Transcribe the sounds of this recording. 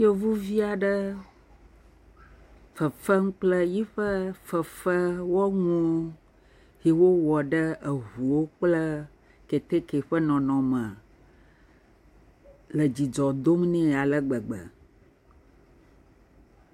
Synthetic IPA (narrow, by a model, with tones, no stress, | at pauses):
jo˦vu˦vi˦a˨ɖə˦ | fə˨fə˦ŋũ˦k͡plə˦ji˦ɸə˦fə˨fə˦wɔ˦ŋũ˦ | hi˨wo˦wɔ˨ɖə˦ə˨ɦu˨wo˦k͡plə˦ | ke˨t̪e˦ke˨ɸə˦nɔ̃˨nɔ̃˨mə̃˨ | lə˨d͡ʑi˨d͡ʒɔ˨d̪o˦mnɛ̃˦˨a˨lə˦ɡ͡bə˨ɡ͡bə̰˨